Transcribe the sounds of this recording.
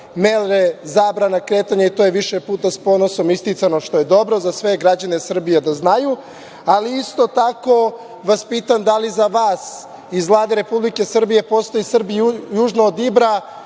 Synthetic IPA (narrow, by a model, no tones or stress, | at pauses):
melɾezaːbɾanakɾe̞ːt̪aɲait̪ojeʋiʃepuːt̪aspo̞ːno̞so̞mist̪it̪sanoʃt̪o̞je̞d̪o̞bɾo̞zasʋe̞ɡɾad͡ʑane̞sr̩bijed̪aznaju | aliist̪o̞t̪ako̞ | ʋaspiːt̪amd̪alizaʋaːs | izʋlˠaːd̪eɾe̞publike̞sr̩bije̞po̞st̪o̞jisr̩bjuːʒnoːd̪ibɾa